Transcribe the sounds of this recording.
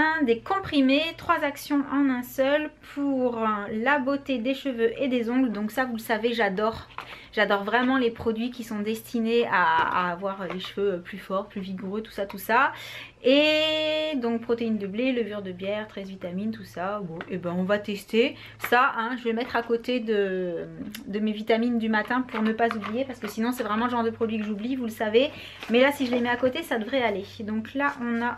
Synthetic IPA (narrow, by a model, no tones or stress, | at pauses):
ɛ̃d̪ekɔ̃pχimet̪χwazaksjɔ̃ʔɑ̃nɛ̃sœlpʰuʁlabot̪ed̪eʃəvøʔed̪ezɔ̃ɡld̪ɔ̃ksavuləsaveʒad̪ɔʁ | ʒ̥ad̪ɔʁvʁɛmɑ̃lepχɔd̪ɥikʲisɔ̃d̪ɛst̪ʰinea̰ːvwaʁøleʃføøplyfɔʁplyviɡuʁøt̪u̥sat̪usa | e | d̪ɔ̃k̚pχɔt̪eind̪əbleləvyʁd̪əbjɛʁt̪χɛzvit̪amint̪usabɔ̃ʔebɛ̃ɔ̃vat̪ɛst̪e | saʔɛ̃ʒəvelmɛt̪χakot̪ed̪ə | d̪əmevit̪amind̪ymat̪ɛ̃puʁnəpazublijepaʁsə̥kəsinɔ̃sɛvʁɛmɑ̃ləʒɑ̃ʁd̪əpχɔd̪ɥikəʒublivuləsave | mɛlasiʒəlemɛakot̪esad̪əvʁɛaled̪ɔ̃klaʔɔ̃na